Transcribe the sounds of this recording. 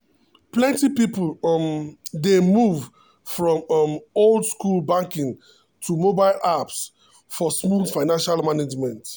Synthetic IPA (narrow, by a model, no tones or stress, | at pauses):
plɛ̃ntipiplmdemuv | fɹɔ̃mmoldskulbãŋkĩŋ | tʰumobaɪlaps | fɔsmuldfaɪnãnʃalmaned͡ʒmɛ̃nt